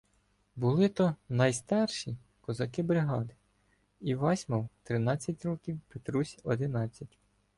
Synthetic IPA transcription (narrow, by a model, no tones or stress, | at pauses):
bʊlˠɪt̪ɔnɐjst̪ɑrʃi | kɔzɐkɪbɾɪɦɑd̪ɪ | iʋɑsʲmɔwt̪ɾɪnɑt͡sʲːɐtʲɾɔkʲiwpet̪ɾusʲɔd̪ɪnɑt͡sʲːɐtʲ